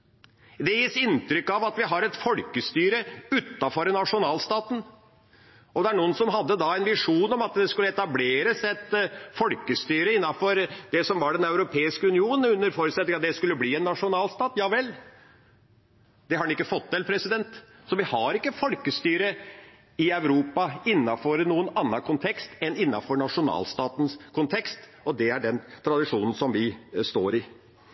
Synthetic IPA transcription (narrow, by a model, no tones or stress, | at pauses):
d̪ɛjiːsɪnt̪ɾʏkːɑʋɑt̪ʋɪɦɑɾɛt̪fɔlkəst̪yːɾəʉt̪ːɑfɔɾnɑʂʊnɑːlst̪ɑːt̪n̩ | ɔd̪ɛæɳuːənsɔmɦɑd̪ːəd̪ɑɛnʋɪʂuːnɔmɑt̪d̪ɛskʉlːəɛt̪ɑbleːɾəsɛt̪fɔlkəst̪yːɾəɪnːɑfɔɾd̪ɛsɔmʋɑɖɛnœʉɾʊpʰeːɪskəʉnɪuːn̩ʉnːəɾfɔɾəsɛt̪ːɪŋɑt̪d̪ɛskʉlːəbliːɛnːɑʂʊnɑːlst̪ɑːt̪jɑːʋɛlː | d̪̥ɛhɑɾɖɛnɪkːəfɔt̪ʰːɛlpʰɾɛsɪd̪ɛnt̪ | sɔʋɪhɑɾɪkːəfɔlkəst̪yːɾə | ɪœʉɾuːpɑɪnːɑfɔɾnuːənɑnːəkʰʊnt̪ʰɛkst̪ɛnɪnːɑfɔɾɳɑʂʊnɑ̰ːlst̪ɑːt̪ənskʰʊnt̪ʰɛkst̪ɔd̪ɛæɖɛnt̪ʰɾɑd̪ɪʂuːnən̩sɔmʋɪst̪o̰ːɾɪ